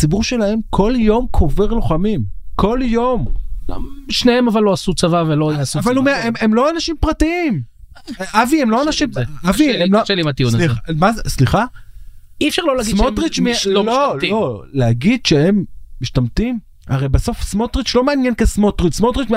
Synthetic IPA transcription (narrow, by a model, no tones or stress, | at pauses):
t͡sibuʁʃe̞lae̞mkʰo̞ljo̞mkʰo̞veʁloχamimkʰo̞ljo̞ma̰ʃnehemavalːo̞asut͡savavelosuavalumeememlo̞anaʃimpʁatiim | ʔaviemlo̞anaʃimaviemloʃelimat̪iuniamazsliχa | ifʃaʁlolaɡisotʁit͡ʃmilololo̞leaɡid̪ʃee̞mːiʃtamt̪im | aʁejbaso̞fsmo̞t̪ʁit͡ʃlo̞meanjenkesmotʁitsmotʁit͡ʃm